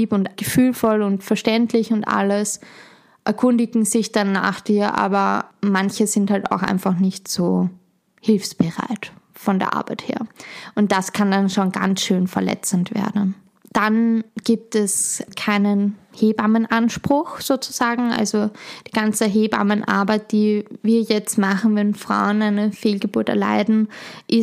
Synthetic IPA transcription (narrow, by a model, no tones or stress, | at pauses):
iːpʊntɡ̥əfyːlfɔlʊntfɛɐʃtɛntʰlɪçʊntʔa̰ləs | ʔɛɐkʰʊndɪɡŋ̩zɪçd̥anːa̰ːχd̥iːɐʔa̰ːbɐmançəzɪnthalta̰ʊxʔa̰ɪnfaχnɪçtz̥oː | hɪlfsb̥əʁa̰ɪtfɔndḛːɐʔa̰ɐb̥aɪthḛːɐʔʊnt̚d̥askʰandanʃoːnɡa̰nsʃøːnfɛɐlɛ̰t͡sən̩tv̥ḛːɐdn̩ | d̥anɡ̥iːp̚tɛskʰaɪnənheːbamənʔanʃpʁ̥ʊxz̥oːt͡su̥z̥aːɡŋ̩ʔa̰lzod̥iːɡ̥ant͡səɦeːba̰mənʔa̰ɐbaɪt̚d̥iːviːɐjɛt͡stmaχn̩vɛnfʁ̥a̰ʊənaɪnəfeːlɡəbuɐtɛɐla̰ɪdn̩ʔɪ